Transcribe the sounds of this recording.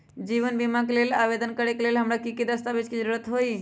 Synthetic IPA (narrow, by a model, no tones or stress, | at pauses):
d͡ʒiʋənbimakelelaʋed̪ənkəɾekeleːlɦəmɾakikid̪əst̪abet͡ʃkid͡ʒəɾuɾət̪ɦoːi